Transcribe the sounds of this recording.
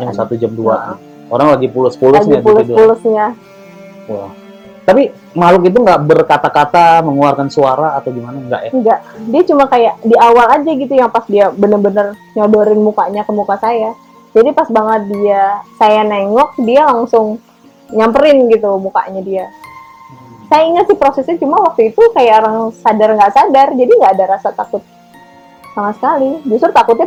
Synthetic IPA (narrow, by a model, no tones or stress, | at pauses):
d͡ʒaŋsat̪ud͡ʒamdua̰t̪ʊ | oɾaŋlaɡipulʊspulʊaɡɲiapulʊulʊsɲa | ua̰ | t̪api | malʊkit̪̬uŋɡaʔbərkat̪akat̪aməŋuarkansuaɾaːt̪awɡimanaŋɡa̰ʔjaəŋɡaʔdiat͡ʃumakajaʔdiawalad͡ʒaɡit̪ujaŋpasdiabənərbənərɲɔdoɾɪnmukaɲakəmukasaja | d͡ʒadipasbaŋət̪̚diasajaneŋɔk̚dialaŋsʊŋ | ɲampəɾɪnɡit̪umuka̰ʔɲadia | sajaiŋət̪sihpɾosɛsɲat͡ʃumawak̚t̪uit̪ukajaʔoɾaŋsadarŋɡaʔsadard͡ʒadiŋɡaːdaɾasat̪akʊt̪̚ | samasə̥kalid͡ʒust̪ʊrt̪akʊt̪̚ɲa